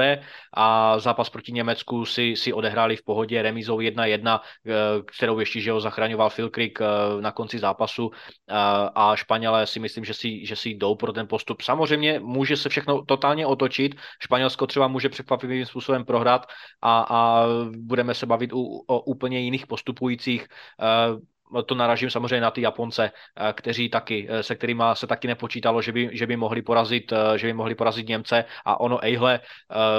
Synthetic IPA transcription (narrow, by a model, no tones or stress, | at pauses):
ɛʔazaːpaspɾocɪɲɛmɛt͡skusɪsɪʔo̞dɛɦɾaːlɪfpo̞ɦo̞ɟɛɾɛmizowjɛdnajɛdnakt̪ɛɾo̞wjɛʃcɛʒɛɦozaxɾaɲovalfɪlkɾɪknako̞nt͡sɪzaːpasu | ʔaʃpaɲɛlɛːsɪmɪsliːmʒɛsɪʒɛsɪjdo̞wpɾot̪ɛnpo̞st̪upsamozrɛjmɲɛmuːʒɛsɛfʃɛxnot̪o̞t̪aːlɲɛʔo̞t̪o̞t͡ʃɪt̪ʃpaɲɛlskot̪r̝̥ɛbamuːʒɛpr̥ɛkvapiviviːmspuːso̞bɛmpɾo̞ɦɾat̪ʔaabudɛmɛsɛbavɪt̪uoʔuːpl̩ɲɛjɪniːxpo̞st̪upujiːt͡siːx | t̪onaɾaʒimsamozrɛjmɲɛnat̪ijapo̞nt͡sɛkt̪ɛɾ̝iːt̪akɪsɛk̚t̪ɛɾiːmasɛt̪akɪnɛpot͡ʃiːt̪alo̞ʒɛbɪʒɛbɪmoɦlɪpoɾazɪt̪ʒɛbɪmoɦlɪpo̞ɾazɪt̪ɲɛmt͡sɛʔa̰ʔo̞noʔɛjɦlɛ